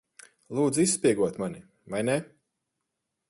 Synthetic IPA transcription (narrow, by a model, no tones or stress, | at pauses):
lˠuːd̪zisːpʲiɛɡuɔt̪mani | vajnɛ